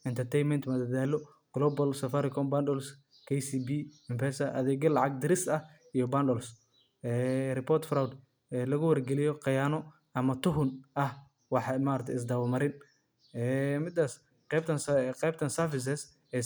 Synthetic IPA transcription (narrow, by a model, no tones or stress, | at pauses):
ɪnt̪ʰɐrt̪ʰɛjnmɛnt̪mɐd̪ɐd̪aːlɔ | ɡ̥lɔːbɐlsɐfaɾɪkʰɔmbandɔls | kʰɛjsibiɪmpɛsɐʔɐðɛːɡɐlɑʕɑɡ̚d̪ɪɾɪsɐh | ijɔbandɔls | ɛːrɪpʰɔːrt̪fɾawd̪ | ɛːlɐɣʊwɐrɡɛlɪjɔqɑjaːnɔ | ɐmɐt̪ʰʊɦʊnʔɐh | wɑħɑmaːɾɐkt̪ʰɪs̬d̪ɐwlmɐɾɪn | ɛːmɪd̪as | qɛbt̪ʰɐnsqɛjbt̪ʰɐnsɐfɪs̬ɛs | ɛ